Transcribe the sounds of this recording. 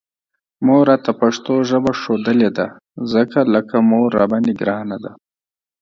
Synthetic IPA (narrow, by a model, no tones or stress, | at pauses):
moɾɑt̪apaʂt̪oʒəbaʂod̪əled̪a | zəkaləkamoɾːa̰baniɡɾɑːnad̪a